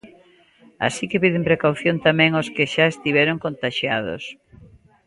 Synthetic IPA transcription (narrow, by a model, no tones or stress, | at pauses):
a̰sikepiðɪmpɾekawθjont̪amɛ̃ŋoskɪʃaest̪iβɛɾoŋkont̪aʃjað̞o̰s